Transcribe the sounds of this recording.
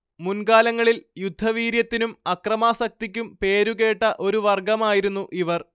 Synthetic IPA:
munkaːlɐŋːɐɭiljud̪ʱːɐʋiːɾjɐt̪ːinumɐkrɐmaːsɐk̚t̪ikʲːumpe̞ːɾuɣe̞ːʈːɐʔo̞ɾuʋɐrɡɐmaːjiɾunːuʔiʋɐr

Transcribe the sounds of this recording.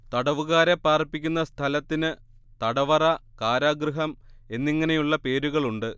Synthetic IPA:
t̪ɐɽɐʋuɣaːɾepːaːrpːikʲːunːɐst̪ʰɐlɐt̪ːinɨ | t̪ɐɽɐʋɐrɐkaːɾaːɡrɨɦɐme̞nːiŋːɐne̞juɭːɐpe̞ːɾuɣɐɭuɳɖɨ

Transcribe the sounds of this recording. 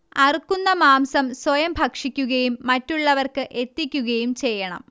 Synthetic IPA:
ɐrukːunːɐmaːmsɐmswojɐmbʱɐkʂikʲːuɣɐjumːɐtːuɭːɐʋɐrkɨʔe̞t̪ːikʲːuɣɐjumt͡ɕe̞jːɐɳɐ̰m

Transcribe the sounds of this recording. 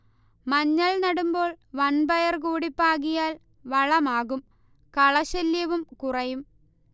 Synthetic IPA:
mɐɲːɐɭnɐɽumbo̞ːɭʋɐnbɐjɐrkuːɽipːaːɣijaːl | ʋɐɭɐmaːɣum | kɐɭɐɕɐljɐʋumkurɐjum

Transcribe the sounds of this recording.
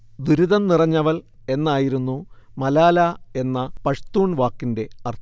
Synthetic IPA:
d̪uɾuðɐnnirɐɲːɐʋɐl | e̞nːaːjiɾunːumɐlaːlɐe̞nːɐpɐʂt̪uːɳʋaːkːinde̞ɐrt̪ʰ

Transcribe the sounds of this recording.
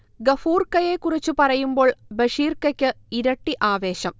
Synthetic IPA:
ɡɐfuːrkɐjekurit͡ɕːupɐrɐjumbo̞ːɭbɐʂiːrkːɐkʲːɨ | iɾɐʈːiʔaːʋe̞ːɕɐm

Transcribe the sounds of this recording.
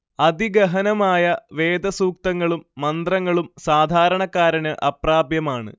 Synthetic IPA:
ɐd̪iɡɐɦɐnɐmaːjɐʋe̞ːd̪ɐsuːk̚t̪ɐŋːɐɭumːɐnd̪rɐŋːɐɭumsaːd̪ʱaːɾɐɳɐkːaːɾɐnɨʔɐpraːbjɐmaːɳɨ̰

